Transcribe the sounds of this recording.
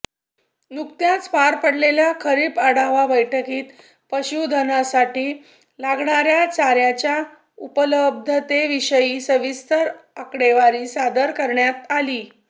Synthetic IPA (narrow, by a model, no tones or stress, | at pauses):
nuk̚t̪jãt͡spaɾpəɽleljakʰəɾiːpəɽaʋabəjʈʰəkiːt̪ | pəɕud̪ʱənasaʈiː | laɡɳaɾjat͡saɾjat͡ɕja | upələb̚d̪ʱət̪eʋiɕəjiːsəʋist̪əɾakɽeʋaɾiːsad̪əɾkəɾɳjat̪aliː